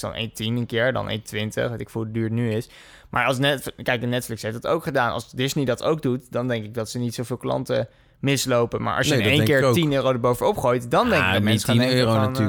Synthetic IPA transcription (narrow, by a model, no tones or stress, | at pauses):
d̥ɑ̰nḛjntinənkɪːɹdɑ̰nʔḛjntʋɪntə̰χʋɑtɪkfulˠdədyːɹnyɪs | mʔa̰ːɹɑlˠsnɛtfkɛjk̚dənɛtflɪksɦefdɑtowkχədaːnɑ̰sdɪznidɑto̰wɡ̚dutdɑndɛŋkɪɡ̚dɑtsənitsowvɪːlˠklɑ̰ntə | mɪslowpənma̰ːɹʔɑ̰sjəejkɪːɹtinøːrowdəɹbowvəɔpχoːjtdɑndɛŋkɡdəmɛsinøona